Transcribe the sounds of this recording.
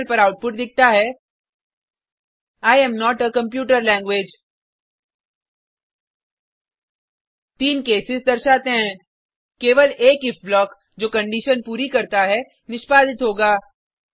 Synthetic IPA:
ɾpɐɾaʊʈ̚pʊʈ̚d̪ɪk̚t̪aɦɛ | aːɪjɛ̃ːmnɔːʈəkɐ̃mpjuːʈəɾlɛ̃ːŋɡʋeːd͡ʒ | t̪iːnkeːsɪzd̪ɐɾʃaːt̪eɦɛ̃ | keːʋəleːkɪfblɔːk | d͡ʒoːkɐ̃ɳɖiʃənpuːɾikɐɾt̪aɦɛ | nɪʃpaːd̪ɪt̪ɦoːɡaː

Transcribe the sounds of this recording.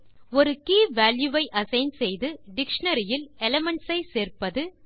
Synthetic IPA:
ɔɾɯkiːʋaːljuʋɐɪʔɐsɐɪnsɛjðɯɖɪkʂɐɳɐɾɪjɪlɛlɐmɛɳʈsɐɪseːrpɐðɯ

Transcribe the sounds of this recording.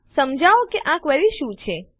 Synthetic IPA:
səmd͡ʒaokeʔãkʋəliʃũt͡ʃʰe

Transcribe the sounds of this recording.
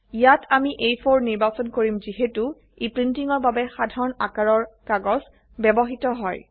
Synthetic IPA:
ijatʰamiʔejpʰoɹniɹbasɔnkoɹimziɦetu | ipɹintiŋɔɹbabɛxadʱaɹɔnakaɹɔɹkaɡɔz | bɛbɔɦitɔɦɔj

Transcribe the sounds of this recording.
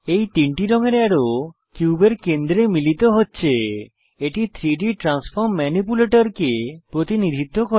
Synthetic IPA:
ejt̪iɳʈiɾɔŋeɾeaɾo | kjubeɾkẽnd̪ɾemilit̪ɔɦoːt͡ʃʰe | eʈit̪ʰɾiɖiʈɾanspʰɔɾmːanip̬uleʈɔɾkepɾot̪inid̪ʱit̪ɔkɔɾ

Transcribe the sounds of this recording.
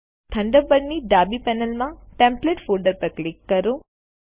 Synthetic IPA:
t̪ʰɐɳɖɐbbɐnːiɖaːbipɛːnɐlmɐʈempleʈfʰuːɾɖɐɾp̪ɐkɭikːɐɾu

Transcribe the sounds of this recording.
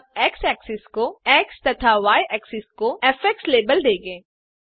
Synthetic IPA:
ɛːksɛːksɪskoɛːkst̪ɐt̪ʰaʋaːjɛːksɪskoɛfɛksleːbəld̪eːɡẽː

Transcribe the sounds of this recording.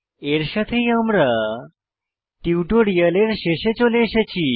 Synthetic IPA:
eɾɕat̪ʰejamɾa | ʈiwʈoɾijəleɾɕeɕet͡ɕolẽɕet͡ɕi

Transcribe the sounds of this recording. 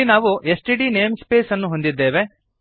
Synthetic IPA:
inaːʋuesʈiɖine̞ːmspe̞ːsɐnːuɦo̞nd̪id̪ːe̞ːʋe̞

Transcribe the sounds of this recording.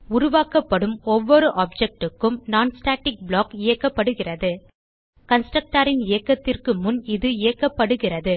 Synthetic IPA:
ʊɾʊʋaːkɐpːɐɽɯmɔʋːɔɾɯʔaːp̚d͡ʒɛk̚ʈɯkːɯmnaːnsʈaːʈɪk̚bɭoːkɪjɐkːɐpːɐɽɯɣɪrɐðɯ | kɐnsʈɾɐk̚ʈaːɾɪnɪjɐkːɐt̪ːɪrkɯmʊnɪðɯɪjɐkːɐpːɐɽɯɣɪrɐðɯ

